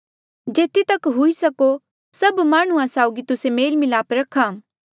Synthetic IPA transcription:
d͡ʒeːt̪it̪ɐkɦʊisɐko | sɐbmaːɽ̃ʊ̃ãsaːʊɡit̪ʊsemeːlmɪlaːpɾɐkʰaː

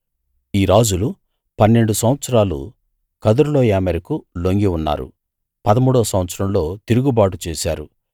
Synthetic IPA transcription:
iːɾaːd͡ʒulu | pɐnːe̞ɳɖusɐmʋɐt̪sɐɾaːlṵ | kɐd̪uɾloːjaːmɐɾikuloŋɡiunːa̰ːɾṵ | pɐd̪ɐmuːɽɐʋɐsɐmʋɐt̪sɐɾɐmlo̞ːt̪iɾuɡubaːʈut͡ʃɛːsa̰ːɾu

